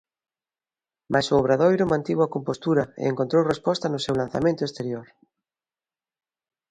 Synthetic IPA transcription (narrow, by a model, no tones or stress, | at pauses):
mʔasoːβ̞ɾaðojɾʊmãnt̪iβwakompost̪uɾɐḛeŋkont̪ɾowrespɔst̪ɐnʊsewlan̟θamẽnt̪ʊest̪eɾjoɾ